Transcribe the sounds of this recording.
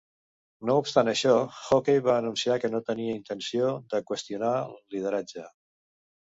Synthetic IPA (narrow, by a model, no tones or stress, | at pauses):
noupst̪anəʃɔxokejβaəːnunsiakənot̪əniəint̪ənsioðəkwəst̪iunalið̞əɾad͡ʒə